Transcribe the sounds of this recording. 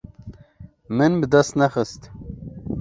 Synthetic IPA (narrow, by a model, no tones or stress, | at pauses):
mɨnbɨd̪ɛst̪nɛxɨst̪